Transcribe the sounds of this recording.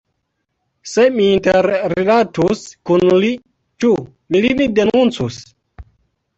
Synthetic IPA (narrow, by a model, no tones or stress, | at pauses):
semiːnteɾɾilatuskunli | t͡ʃu | milinidenunt͡sus